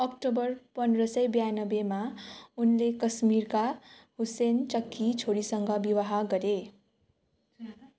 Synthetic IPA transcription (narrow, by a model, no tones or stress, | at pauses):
ʌkʈobʌrpʌndrʌsʌjbjanʌbemaunlekʌsmirkahusent͡sʌkːit͡sʰoɾisʌŋɡʌbiwaɦaɡʌɾe